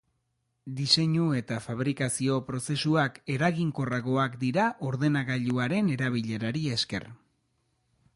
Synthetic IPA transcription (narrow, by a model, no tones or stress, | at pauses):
d̪ise̞ɲue̞t̪afaβ̞ɾikasio̞pɾo̞se̞suake̞ɾaɣiŋko̞raɣo̞akd̪iɾaʔo̞ɾðe̞naɣaʎuaɾe̞ne̞ɾaβ̞iʎe̞ɾaɾie̞ske̞̰r